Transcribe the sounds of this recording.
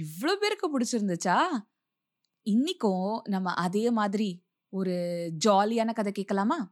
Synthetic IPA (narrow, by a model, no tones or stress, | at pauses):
ɪʋːɐɭoːpeːɾɯkːɯ̃pʊɽɪt͡ʃːɯɾɯnd̪ɯt͡ʃːaː | ɪnːɪkːʊ̃nɐmːɐʔɐðeːmaːðɪɾi | ɔɾɯd͡ʒaːlijaːnɐkɐðɛkeːkːɐlaːmaː